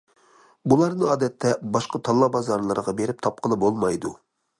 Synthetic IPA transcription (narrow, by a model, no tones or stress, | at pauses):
bulˠɑɾnɨɑːd̪ɛt̪ʰːɛbɑʃqɑt̪ʰɑlˠːɑbɑzɑɾlˠɨɾʁɑbeɾɪp̚t̪ʰɑp̚qʰəlˠɨbolˠmɑjd̪u